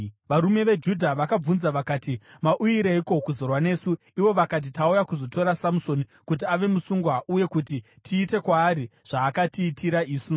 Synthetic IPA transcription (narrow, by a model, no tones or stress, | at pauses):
ʋaɾume̞ʋe̞d͡ʒudʱaʋakab͡vunzaʋakaːtimaʔuiɾeiko̞kuzo̞rwane̞ːsu | iʋo̞ʋakat̬itaujakuzo̞to̞ɾasamuso̞nikut̬iaʋe̞musuŋɡwaʔuje̞kuti | tʰiːte̞kwaːɾiʐ̥aːkatiːtʰiɾaiːsu